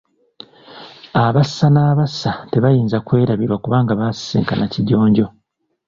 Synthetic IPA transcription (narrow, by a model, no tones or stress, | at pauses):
aβasːanaːβasːate̞βajiːnzakwe̞ːɾaβiɾwakuβaːŋɡaβassḭːŋkanaciɟo̞ːɲɟo̞